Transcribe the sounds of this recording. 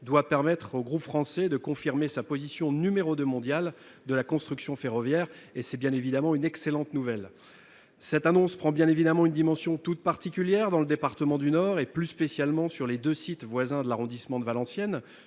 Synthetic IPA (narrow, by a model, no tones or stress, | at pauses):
d̪wapɛʁmɛt̪χoɡʁupfχɑ̃sɛd̪əkɔ̃fiʁmesapozisjɔ̃nymeʁod̪ømɔ̃d̪jal | d̪əlakɔ̃st̪χyksjɔ̃feʁɔvjɛːʁesɛbjɛ̃nevid̪amɑ̃ynɛkselɑ̃t̪nuvɛl | sɛt̪anɔ̃spχɑ̃bjɛ̃nevid̪amɑ̃ynd̪imɑ̃sjɔ̃t̪ut̪̚paʁt̪ikʲyljɛʁd̪ɑ̃ləd̪epaʁt̪əmɑ̃d̪ynɔʁeplyspesjalmɑ̃syʁled̪øsit̪vwazɛ̃d̪əlaʁɔ̃d̪ismɑ̃d̪əvalɑ̃sjɛn